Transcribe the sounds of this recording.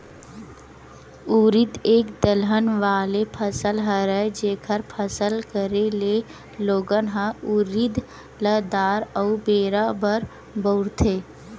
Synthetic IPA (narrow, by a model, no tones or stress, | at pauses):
uɾɪd̪eːkd̪əlɦənʋaːlepʰəsəlɦəɾəd͡ʒeːkʰəɾpʰəsəlkəɾele | loːɡənɦə̃uɾɪd̪ | ləd̪aːɾəːbeːɾabəɾ | bəɾt̪ʰeː